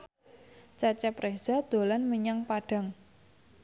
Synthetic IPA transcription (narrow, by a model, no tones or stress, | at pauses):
t͡ʃat͡ʃɛpɾesad̪̥o̤lanməɲaŋpaɖ̥a̤ŋ